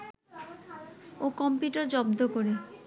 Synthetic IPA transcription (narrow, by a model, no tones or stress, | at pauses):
okɔmpjuʈaɾd͡ʑɔbd̪okoɾe